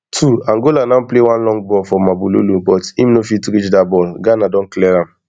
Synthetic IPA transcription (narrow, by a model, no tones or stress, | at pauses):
tʰuãŋɡolanaplewãnlɔ̃ŋɡbɔlfɔmabulo̰lubɔtimnofitukit͡ʃdabɔlɡanadɔ̃n̩klɛɾam̩